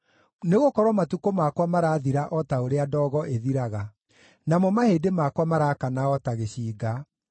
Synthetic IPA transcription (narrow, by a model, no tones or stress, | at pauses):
neɣokɔɾwɔmatukomakwamaɾaːðiɾaʔɔtaoɾeadɔːɣɔʔeðiɾaɣa | namɔmaheːdemakwamaɾaːkanaɔtaɣeɕiːɡa